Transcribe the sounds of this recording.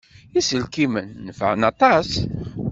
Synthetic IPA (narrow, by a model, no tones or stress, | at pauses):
isəlkimənːəfə̰ʕənɑt̪ˤɑs